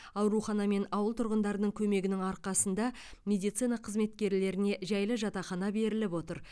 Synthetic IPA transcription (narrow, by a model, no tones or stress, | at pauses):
ɑwɾuχɑnɑme̞nɑwəlˠt̪ʰʊɾʁənd̪ɑɾənəɴkʲʰɵme̞ɡʲɪnɪŋɑɾqɑsənd̪ɑ | mʲe̞d̪ijt̪sinɑqʰəzme̞t̪kʲe̞ɾle̞ɾɪne̞ʒæjləʒɑt̪ɑχɑnɑbe̞ɾɪlɪpo̞t̪əɾ